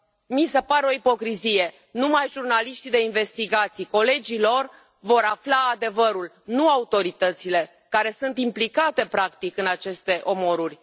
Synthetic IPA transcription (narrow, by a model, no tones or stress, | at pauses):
mise̞paɾeo̞ipo̞kɾizije̞ | numajʒurnaliʃt̪id̪e̞inve̞st̪iɡat̪sijko̞le̞d͡ʒilo̞r | vo̞ɾaflaːd̪e̞vəɾul | nuaut̪o̞ɾit̪ət̪sile̞ | kaɾe̞sunt̪implikat̪e̞pɾakt̪ikɨnat͡ʃe̞st̪e̞ʔo̞mo̞ɾurʲ